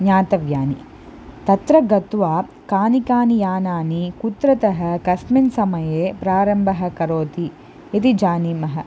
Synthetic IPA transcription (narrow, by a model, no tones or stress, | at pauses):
ɲaːt̪ɐʋjaːni | t̪ɐt̪ɾɐɡɐt̪ʋaː | kaːnikaːnijaːnaːnikut̪ɾɐt̪ɐɦɐ̆kɐsminsɐmɐjeːpɾaːɾɐmbʱɐɦɐ̆kɐɾoːt̪i | et̪id͡ʒaːnimɐɦɐ̰